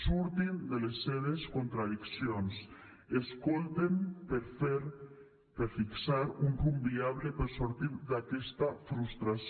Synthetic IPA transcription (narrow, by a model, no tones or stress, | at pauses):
suɾt̪ind̪elesːeðeskont̪ɾaðiksjons | eskolt̪empeɾfeɾ | peɾfiksaɾunrumbiaβlepeɾsoɾt̪iɾd̪akɛst̪afɾust̪ɾas